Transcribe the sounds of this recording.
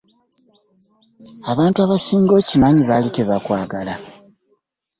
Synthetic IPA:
aβaːntuaβasiːŋɡo̞ːcimaɲiβaliteβakwaːɡala

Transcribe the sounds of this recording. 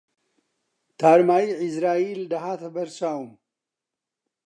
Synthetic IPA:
t̪ʰaɾmajiʕɪsɾaeld̪ɐɦat̪ʰɐbɐɾsawum

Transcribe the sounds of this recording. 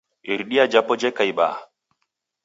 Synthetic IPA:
iɾɗiad͡ʒapːɔd͡ʒɛkajba̰ː

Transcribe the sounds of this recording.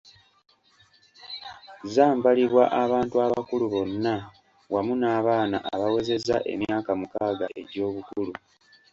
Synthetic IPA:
zaːmbaliβwa̰ʔaβaːntuaβa̰kuluβo̞nːa | wamunaːβaːna̰ʔa̰βawe̞ze̞za̰ʔe̞̰mjaːkamukaːɡa̰ʔe̞̰ɟo̞ːβukulu

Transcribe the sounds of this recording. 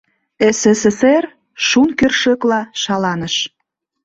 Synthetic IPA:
eseseser | ʃunkørʃəklɑʃɑlɑnəʃ

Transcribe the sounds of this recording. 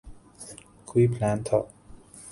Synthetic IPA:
kʰwiːpʰlaːnt̪ʰɔ

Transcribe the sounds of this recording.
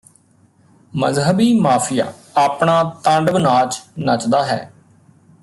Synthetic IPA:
məzɦəbiːmaːpʰɪja̰ː | aːpɳaːt̪ə̃ɳɖbnaːt͡ʃnət͡ʃd̪aːɦɛ̰ː

